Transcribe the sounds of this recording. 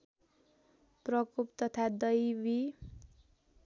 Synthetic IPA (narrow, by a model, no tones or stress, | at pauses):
prʌkupt̪ʌt̪ʰad̪ʌjbi